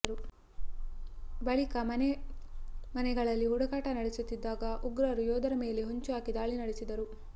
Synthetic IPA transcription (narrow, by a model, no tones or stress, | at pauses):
ɾu | bɐɭikɐmɐnɛ | mɐnɛɡɐɭɐlːiɦuɽɐkaːʈɐnɐɽesut̪ːid̪ːaːɡɐʔuɡɾɐɾujɔːd̪ɐɾɐme̞ːleɦoɲt͡ʃuaːkid̪aːɭinɐɽesid̪ɐɾu